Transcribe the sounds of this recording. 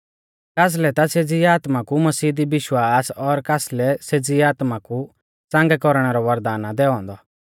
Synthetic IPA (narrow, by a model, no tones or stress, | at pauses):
kaːs̬lɛt̪ased͡ziaːt̪makumɐsiːd̪ibɪʃwaːsɔɾkaːslɛsed͡ziaːt̪maku | t͡sãŋɡɛkɔɾɽ̃ɛɾɔʋɐɾd̪aːnad̪ɛːɔ̃ːnd̪ɔ